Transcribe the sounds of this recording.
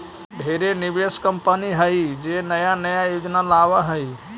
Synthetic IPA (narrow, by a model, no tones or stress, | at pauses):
ɖʱeːɾenɪbeskəmpəniɦəid͡ʒenəjanəjajoːd͡ʒnalaːʋəɦəi